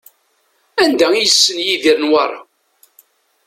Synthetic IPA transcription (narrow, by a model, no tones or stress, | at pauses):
ænd̪æijəsːənjiðiɾnwɑ̰ɾˤɑ̰